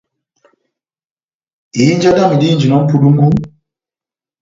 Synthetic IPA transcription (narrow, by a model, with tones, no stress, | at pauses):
i˨i˦nd͡ʒa˦da˦mu˨di˦nd͡ʒi˨nɔ˨˦m̩˦pʰu˨du˦ŋ˦ɡu˦